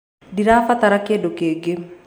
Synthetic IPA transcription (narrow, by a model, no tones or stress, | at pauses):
diɾafat̪aɾakedokeɡe